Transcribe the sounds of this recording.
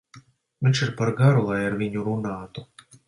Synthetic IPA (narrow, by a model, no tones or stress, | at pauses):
vʲĩnʲt͡ʃiɾpaɾɡaɾulˠajaɾvʲiɲuɾunaːt̪u